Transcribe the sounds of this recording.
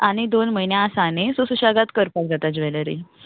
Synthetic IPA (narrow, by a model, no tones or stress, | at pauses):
aɽ̃id̪onməɦinjãːsanesusuɕaɡat̪kəɾpald͡zʱat̪ad͡zʋɛləɾḭ